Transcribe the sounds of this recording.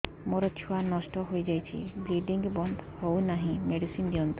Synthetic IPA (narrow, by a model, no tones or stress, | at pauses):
moɾɔt͡ʃʰuanɔsʈɔɦojd͡ʒajt͡ʃʰḭbliɖiŋɡbɔnd̪hownaɦĩmeɖisind̪iɔnt̪